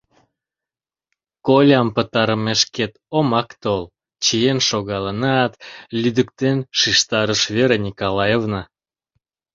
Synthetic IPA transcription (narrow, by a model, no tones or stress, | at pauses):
kolʲɑmpət̪ɑɾəmeʃket̪omɑkt̪ol | t͡ɕijenʃoɣɑlənɑt̪lʲyd̪əkt̪enʃiʃt̪ɑɾəʃβeɾenʲikolɑjevnə